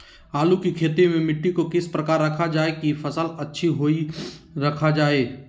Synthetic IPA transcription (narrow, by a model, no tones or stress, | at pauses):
aːlukikʰeːt̪emẽmɪʈːikokɪspɾɐkaːɾːɐkʰad͡ʒaːekifʰɐsəlɐtːʃʰiɦoːiɾɐkʰad͡ʒaːeː